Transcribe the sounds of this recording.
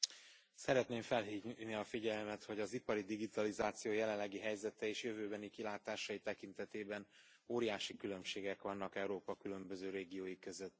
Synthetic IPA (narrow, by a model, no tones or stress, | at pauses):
sɛɾɛt̪neːɱfɛlɦiːvniɒfiɟɛlmɛt̪ho̞ɟɒzipɒɾid̪iɡit̪ɒlizaːt̪sijoːjɛlɛllːɛɡiɦɛjzɛt̪ɛeːʃjøvøːbɛnikilaːt̪aːʃɒjit̪ɛkint̪ɛt̪eːbɛn | oːɾijaːʃikylø̞mʃeːɡɛkʋɒnːɒkɛwɾoːpɒkylø̞mbø̞zøːɾeːɡijoːjikø̞zøt̪ː